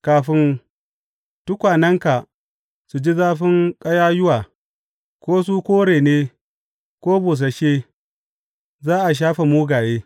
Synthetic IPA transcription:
kaː˨ɸɪ˦n | tʊ˦kʷaː˨nɐ˦ŋka˨ | su˨d͡ʒi˦zaː˦ɸɪ˦ŋkʼɐ˦jaː˦jʊ˦waː˨ | kʷoː˦s̬u˦kʷoː˦ɽeː˨neː˦ | kʷoː˦buː˨s̬a˨ʃeː˦ | zaː˦ʔa˨ʃ̬aː˦ɸe˨muː˦ɡaː˨jeː˦

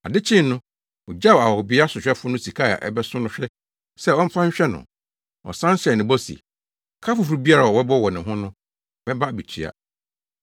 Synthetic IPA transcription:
a˨dɪ˦t͡ɕʰɪ̃˦nː˦ʊ̃˦ | ʊ˨d͡ʑa˦˨a˨wɔ˨bɪ˦a˦sʊ˨ɕᶣɛ˦fʊ˦nʊ̃˦si˨kʰa˦˨a̰˨ʔɛ̰˦bɛ˦sʊ̃˦nʊ̃˦ɕᶣɛ˦ | sɛ˦ɔ̃˦m̩˦fã˦ɲ̩˦ɕᶣɛ˦nʊ̰̃˨ | ɔ̰˨sã˦n˦sɛ˨nɪ̃˨bɔ˦sḭ˨ | kʰa˦fʊ˨fɾu˦bi˦a˦ɾa˨ɔ˨wɛ˦bɔ˦wɔ˨nɪ̃˨ɦʊ̃˦nʊ̃˦ | mɛ̃˦ba˦˨bi˨t͡ɕʰi˨a̰˨

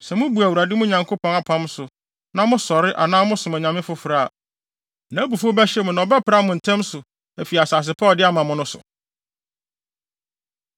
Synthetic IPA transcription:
sɛ˨mʊ̃˦bu˨æ˨wu˨ɾa˨dɪ˦mʊ̃˦ɲã˨ŋkʰo˦pʰɔ̃˨na˦pʰã˦msʊ˨ | nã˨mʊ̃˦sɔ˨ɾɪ˦ʔa̰˨nãː˦mʊ̃˦sʊ̃˨mæ̃˨ɲã˨mɪ̃˦fʊ˦fɾa˦˨ | nã˨˦bu˨fo˦bɛ˦ɕɛ˦mʊ̃˨nã˨ɔ˨bɛ˦pʰɾa˦mʊ̃˨n̩˨tʰɛ̃˦msʊ˨ | æ˨fi˨a˨saː˨s̬ɪ˨pʰa˦˨dɪ˦a˦mã˨mʊ̃˦nʊ̃˦sʊ̰˨

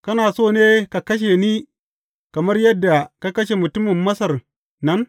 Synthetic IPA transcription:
kɐ˦naː˨soː˦˨neː˦ka˨kɐ˦ʃ̬e˨niː˦ | kɐ˨mɐ˦rjɐ˦dːa˨ka˦kɐ˦ʃe˨mʊ˨tʊ˦mɪ˨mːɐ˦sɐ˨r | nɐ˦n

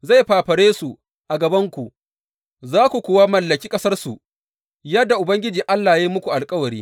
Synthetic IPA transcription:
za˦˨jɸaː˨ɸɐ˨ɽeː˦su˨ | ʔa˨ɡɐ˨bɐ˦ŋkʷu˨ʔ | zaː˦kʷu˨kʷʊː˦waː˦mɐ˨lːɐ˨kʲiː˦kʼɐ˦sɐ˦rsu˨ | jɐ˦dːa˨ʔʊ˨bɐ˦ŋɡʲɪ˦d͡ʒiː˨ʔa˦lːaː˨ji˦mʊ˦kʷu˨ʔa˨lkʼɐ˦wɐ˨ɾiː˦

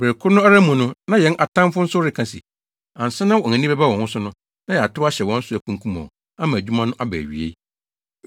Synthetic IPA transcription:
be˨kʰʊ˦nʊ̃˦a˦ɾa˦mũ˨nʊ̃˦nã˦jɛ̃˨˦nʔa˨tʰã˦m˦fʊ˦n̩˦sʊ˦ɾɪ˨kʰã˨sḭ˨ | ã˨n̩˨sɪ˦nã˦wɔ̃˨ã˨nĩ˦bɛ˦ba˦wɔ̃˨hʊ̃˦sʊ˦nʊ̃˦ | nã˦jɛ˨a˨tʊ˦a˦ɕɛ˨wɔ̃˦n̩˦sʊ˦æ˨kʰũ˦kʰũ˦mɔ̰̃˨ | a˦mã˨æ˨d͡ʑᶣu˦mã˦nʊ̃˦ʔa˦bæ̰˨ɥḭ˨ḛ˦

